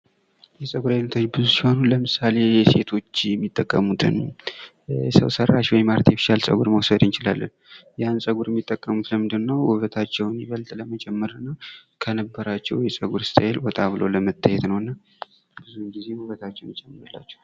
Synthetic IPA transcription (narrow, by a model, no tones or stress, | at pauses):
jɛsʼəɡuɾajnːət̪ʰo̞t͡ʃːbɨzusiho̞nuləmɨsale̞jɛse̞t̪ʰo̞t͡ʃːjɛmːit̪ʼːəkʼːəmut̪ʰɨ̰n | sə̰wsərːaʃwɔjmaɾət̪jɛfi̥ʃalsʼə̰ɡuɾməwsəd̪ɨnt͡ʃɪla̰lːə̰n | jansʼəɡuɾjɛmːit̪ʼːəkʼːəmut̪ləmɨnd̪ɨnːəwhuβət̪ʰat͡ʃːɛwnjiβəlt̪ʼləməd͡ʒʼɛmːəɾnːəwkʰənəbːəɾat͡ʃːɛwjɛsʼəɡuɾst̪ʰʼəjelwɔt̪ʼaβɨloləmət̪ʰːajɛt̪nəwɨnːa | b̥ɨzuŋɡize̞wuβət̪ʰat͡ʃːɛwnt͡ʃʼɛmːɨɾlːa̰t͡ʃːɛ̥w